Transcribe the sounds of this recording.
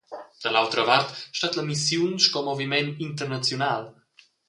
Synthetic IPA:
d̪̥əlawt̪ɾəvart̪ʃtat̪ləmisjunskɔmɔvimɛnint̪ərnat͡sjunal

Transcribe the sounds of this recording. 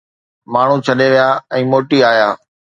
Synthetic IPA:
maːɳ̤ũt͡ɕʰɐɗeʋijaːɛ̃ːmoːʈiaːjaː

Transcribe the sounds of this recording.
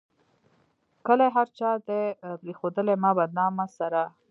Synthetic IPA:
kəlaɦaɾt͡ʃɑd̪epɾexod̪əlemɑbad̪̚nɑmasaɾa

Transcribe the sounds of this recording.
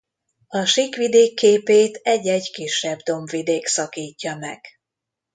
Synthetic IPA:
ɒʃikʋid̪eːkːeːpeːt̪ɛɟːɛɟkiʃːɛbd̪o̞mvid̪eːksɒkiːcːɒmɛɡ̥

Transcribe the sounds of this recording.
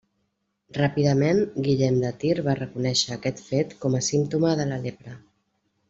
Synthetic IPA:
rapiðəmenɡiʎɛmd̪ət̪iɾβarəkunɛʃəːkɛt̪fet̪kɔməsimt̪uməðələlepɾə

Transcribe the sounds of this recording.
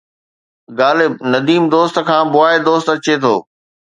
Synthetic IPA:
ɡaːlɪbnɐd̪iːmd̪oːst̪kʰãːbʊaːed̪oːst̪ɐt͡ɕet̪ʰo̰ː

